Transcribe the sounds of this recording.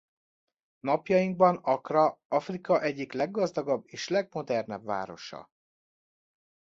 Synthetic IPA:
nɒpjɒjiŋɡ̚bɒnɒkrɒɒfrikɒʔɛɟːiklɛɡːɒzd̪ɒɡɒbːeːʃlɛɡmo̞d̪ɛrnɛbva̰ːɾo̞̰ʃɒ̰

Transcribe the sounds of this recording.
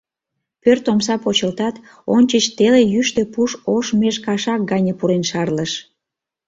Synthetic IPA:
pørt̪omsɑpot͡ɕəlt̪ɑt̪ | onʲt͡ɕət͡ɕt̪elejyʃt̪epuʃoʃmeʃkɑʃɑk̚ɡɑnʲəpuɾenʃɑrləʃ

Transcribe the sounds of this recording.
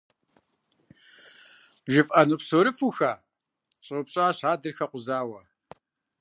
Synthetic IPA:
ʒɪfʼʔɐnupsoɾɨfuxaː | ɕʼʊpɕʼaːɕaːdɨrxɐqʷʊzaːwɐ

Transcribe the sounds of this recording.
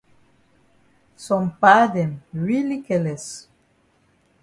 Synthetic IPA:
sɔ̃mpadɛ̃mɹilikɛlɛs

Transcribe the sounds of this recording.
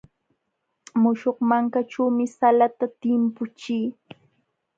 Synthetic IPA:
mʊʃoχmaŋkaʈ͡ʂaːmɪsalat̪at̪ɪmpʊt͡ʃiː

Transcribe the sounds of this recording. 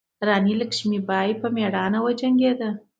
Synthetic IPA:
ɾɑniləkʃmibɑjpəmeɽɑnawəd͡ʒaŋɡed̪ə

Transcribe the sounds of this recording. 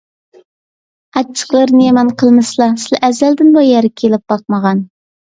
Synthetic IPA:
ɑt͡ʃʰːə̥χlˠɨɾnɨjemɛnqʰəlˠmɨslˠɑsɪlɛʔæzæld̪ɪnbɑjɛɾɪkʲʰelɪp̚b̥ɑq̚məʁɑn

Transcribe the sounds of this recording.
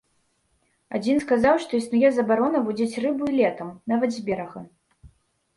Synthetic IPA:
ad͡zʲinskazawʂt̪ɔisnujɛzɐbaɾɔnɐvud͡zʲit͡sʲrɨbuilʲɛt̪ɐmnavɐd̪zʲbʲɛɾɐɣɐ

